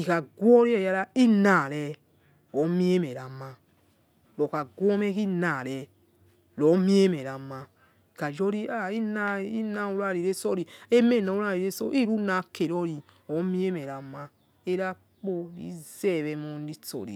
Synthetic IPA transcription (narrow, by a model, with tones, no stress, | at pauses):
i˨ka˨ɡʷwɔ˦ɾi˦ɛ˦˨ja˦ɾa˦i˦na˨ɾɛ˦ | ɔ˨˦mi˦e˦mɛ˨ɾa˨mːa˦ | lɔ˨ka˨ɡʷɔ˦mɛ˦ki˦naː˨lɛ˨ | lɔ˨˦mi˦e˦mɛ˨ɾa˨ma˦ | i˨ka˨d͡ʒɔ˦ɾi˦a˦i˦na˦i˦na˦u˦ɾa˦˨ɾi˨ɾe˦sɔ˦ɾi˨e˦me˦˨na˨˦u˦ɾa˦˨ɾi˨ɾe˦so̰˦ʔi˦ɾu˦na˨˦ke˨ɾɔ˦ɾi˨ | ɔ˨˦mi˦e˦mɛ˨ɾa˨mːa˦ | e˦ɾa˦ | k͡po˦ɾḭ˦zɛ˦˨βɛ˨˦mɔ˨˦n˦di˦tɔ̰˨ɾḭ˨